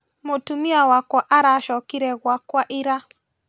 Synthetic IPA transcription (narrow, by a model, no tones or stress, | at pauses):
motumiawakwaʔaɾaʃɔkiɾɛɣwakwaʔiɾa